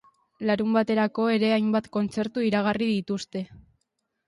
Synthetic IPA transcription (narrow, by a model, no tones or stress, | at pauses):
laɾumbat̪e̞ɾako̞e̞ɾe̞ajmbat̪ko̞nt͡se̞ɾt̪uiɾaɣ̞ariðit̪ust̪e̞